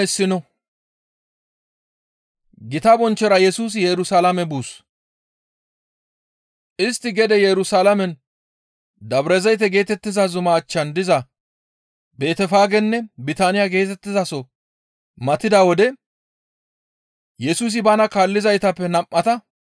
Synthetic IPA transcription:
ɛsːɪnɔ | ɡɪt̪ɐbɔnt͡ʃːɛɾɐjɛsuːs̬ɪjɛɾʊsalɐmɛbuːs | ʔɪst̪ːɪɡɛd̪ɛjɛɾʊsalɐmɛn | d̪ɐbɾɛzɐjt̪̬ːɛɡe̞ːt̪ɛt̪ːɪzɐzʊmaːt͡ʃːɐnd̪ɪzɐ | be̞ːt̪ɛfaːɡɛnːɛbɪt̪aːnɪjaɡe̞ːt̪ɛt̪ːɪzɐsɔ | mɐt̪ɪd̪awɔd̪ɛ | jɛsuːs̬ɪbɐnɐkaːlːɪzɐjt̪ɐpːɛnɐmʔʔːɐt̪ɐ

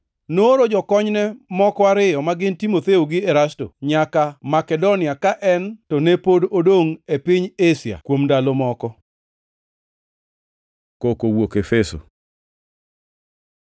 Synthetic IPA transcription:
noɾod͡ʒɔkɔɲnɛmɔkɔaɾɪjɔmaɡɪntimot̪eoɡɪɛɾasto̰ɲakamakɛdonɪakaʔɛntɔnepododoŋepɪɲesja̰kwomndalomɔkɔ | kokowokefɛso̰

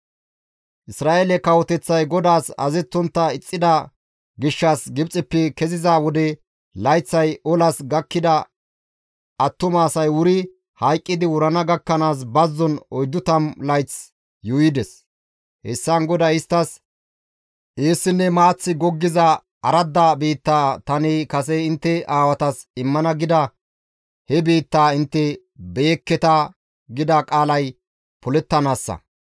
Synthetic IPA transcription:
ʔɪsɾaːʔelɛkɐwɔt̪ɛt͡sːɐjɡɔd̪aːsɐ̰zɛt͡sːɔnt̪ːɐɪt͡sʼːɪd̪ɐ | ɡɪʃːasɡɪbt͡sʼɪpːɛkɛzɪzaːwɔd̪ɛ | lɐjt͡sːɐjɔlɐsɡɐkːɪd̪ɐ | ɐt̪ːʊmaːsɐjwʊɾɪ | hɐjkʼːɪd̪ɪwʊɾɐnɐɡɐkːɐnaːs̬bɐzːɔnɔjd̪ːʊt̪ɐmlɐjt͡s | jʊjɪd̪ɛs | hɛ̰sːɐnɡɔd̪ɐɪst̪ːɐs | ʔeːsːɪnːɛmaːt͡sːɪɡɔɡːɪzɐ | ɐɾɐd̪ːabiːt̪ːaːt̪ɐnɪkɐsɛɪnt̪ːɛʔaːwɐt̪ɐsɪmːɐnɐɡɪd̪ɐ | hɛbiːt̪ːaːɪnt̪ːɛ | beːkːɛt̪ɐ | ɡɪd̪akʼaːlɐj | pʊlɛt̪ːɐnaːsːɐ̰

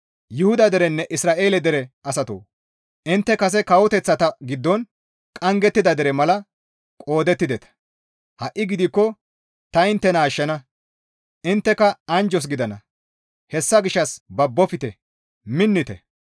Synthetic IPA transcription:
jɪhʊd̪ɐd̪ɛɾɛnːɛʔɪsɾaːʔe̞ːlɛd̪ɛɾɛɐsɐt̪o̰ː | ɪnt̪ːɛkɐs̬ɛkɐwɔt̪ɛt͡sːɐt̪ɐɡɪd̪ːɔn | kʼɐŋɡɛt̪ːɪd̪ɐd̪ɛɾɛmɐlɐ | kʼo̞ːd̪ɛt̪ːɪd̪ɛt̪ɐ̥ | hɐʔːɪɡɪd̪ɪkːɔ | t̪ɐɪnt̪ːɛnaːʃːɐnɐ | ʔɪnt̪ːɛkɐɐnd͡ʒɔs̬ɡɪd̪ɐnɐ̰ | hɛsːɐɡɪʃːɐsbɐbːɔfɪt̪ɛ | mɪnːɪt̪ɛ̰

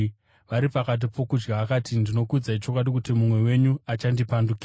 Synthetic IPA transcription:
ʋaɾipakat̬ipʰo̞kud͡ʒɡaakatindino̞kud͡zait͡ʃo̞kwaɗikutimumwe̞we̞ɲuat͡ʃandipandukiː

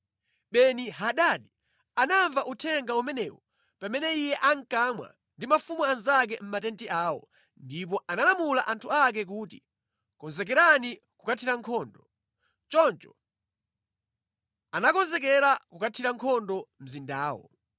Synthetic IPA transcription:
ɓɛniɦaɗaɗi | anaɱvaʔutʰɛŋɡaumɛnɛwɔ | pamɛnɛijɛʔaŋkamwa̰ | ndimafumuanzak̬ɛm̩matɛntiʔaːwɔ̰ | ndip̬ɔʔanalamulaʔantʰuak̬ɛk̬uːtḭ | kɔnzɛk̬ɛɾani | kukatʰiɾaŋkʰɔːndɔ | t͡ʃɔnt͡ʃɔ̥ | anakɔnzɛk̬ɛɾakukatʰiɾaŋkʰɔndɔm̩zindaːwɔ̰

